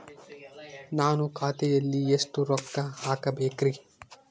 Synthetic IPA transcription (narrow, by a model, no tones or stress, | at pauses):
naːnukʰaːt̪ed̪ɐlːijesʈ̪uɾɔkːahaːkɐbeːkɾi